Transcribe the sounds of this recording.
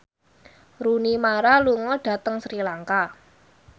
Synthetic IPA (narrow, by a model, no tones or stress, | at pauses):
ɾunimaɾaluŋɔɖ̥a̤t̪əŋsɾilaŋka